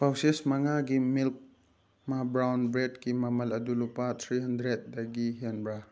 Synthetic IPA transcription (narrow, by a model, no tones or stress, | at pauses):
pʰawsesmɐŋaɡimilk̚ | mabɾawnbɾedkimɐmɐlɐdulupat̪ʰɾiɦɐndɾet̚dɐɡiɦanbɾa